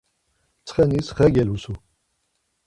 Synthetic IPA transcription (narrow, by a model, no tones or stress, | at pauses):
t͡sʰχɛnisχɛɡɛlusu